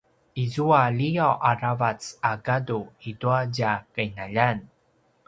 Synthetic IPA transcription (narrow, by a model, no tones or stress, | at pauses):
izualijawʔaravat͡saɡaduiduaɟakajnaʎan